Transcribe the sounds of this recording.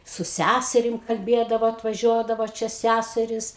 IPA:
sʊ ˈsʲæsʲɛrʲɪm kɐlʲˈbʲeːdɐʋoː ɐtʋɐˈʒʲuɔdɐʋoː ˈt͡ʃʲɛ ˈsʲæsʲɛrʲiːs

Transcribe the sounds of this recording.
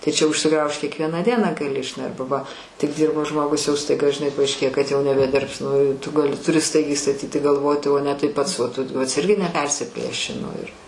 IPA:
tɐɪ t͡ʃʲɛ ʊʃʲsʲɪˈɡrɐʊʃt kʲiɛkˈʋʲiɛnɑː ˈdʲiɛnɑː ɡɐˈlʲɪ ˈɐrbɐ ʋɐ tʲɪk ˈdʲiːrboː ˈʒmoːɡʊs jɛʊ stɐɪˈɡɐ ʒʲɪˈnɐɪ pɐɐɪʃʲˈkʲeːjɛ kɐt jɛʊ nʲɛbʲɛˈdʲɪrps nʊ tʊ ɡɐˈlʲɪ tʊˈrʲɪ ˈstɐɪɡʲɛɪ stɐˈtʲiːtʲɪ ɡɐlˠˈʋoːtʲɪ oː nʲɛ tɐɪ ˈpɐts ʋɐt ˈtʊ ˈpɐts ˈɪrʲɡʲɪ nʲɛˈpʲɛrʲsʲɪpʲlʲeːʃʲɪ nʊ ɪr

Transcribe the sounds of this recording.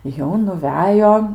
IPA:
jɛʊ nʊˈʋʲæːjoː

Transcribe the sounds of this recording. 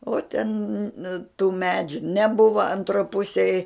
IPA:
oː tʲɛn tuː ˈmʲæːd͡ʒʲʊ nʲɛˈbʊʋɐ ɐnˈtroː ˈpʊsʲeːj

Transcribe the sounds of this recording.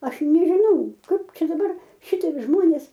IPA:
ˈɐʃ nʲɛʒʲɪˈnɐʊ ˈkɐɪp ˈt͡ʃʲɛ dɐˈbɐr ˈʃʲɪtʲiɛk ˈʒmoːnʲeːs

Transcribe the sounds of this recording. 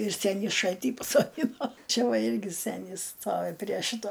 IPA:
ɪr ˈsʲæːnʲiː ˈʃɐlʲtʲiː pɐsoːˈdʲɪnoː ˈt͡ʃʲɛ ˈʋɐ ˈɪrʲɡʲɪ ˈsʲæːnʲɪs ˈstoːʋʲɪ pʲrʲiɛ ˈʃʲɪtoː

